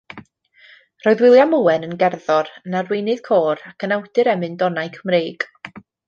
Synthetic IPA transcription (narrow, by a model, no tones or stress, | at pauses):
roːðwɪlˠjamuːɛnənɡɛrðɔrnarwejnɨð̥kʰoːɾakʰənawdɨɾɛmɨndɔnajkʰəmreːɡ̥